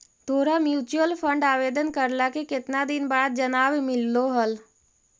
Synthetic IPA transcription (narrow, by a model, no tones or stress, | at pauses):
d̪̥ʱoːɾamjuːt͡ʃuəlpʰə̃ɳɖaːʋeːd̪ənkəɾlakekɪt̪nad̪ɪnbaːd̪̚d͡ʒənaːʋmɪlːoɦəl